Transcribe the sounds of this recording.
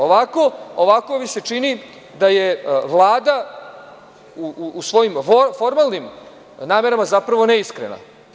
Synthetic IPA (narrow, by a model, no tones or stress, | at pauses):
oʋako̞oʋakoʋise̞t͡ʂini | d̪ajeʋlˠaːd̪a | uːsʋo̞jimffo̞ɾmalnim | naːme̞ɾamazapɾaʋo̞neiskɾḛna̰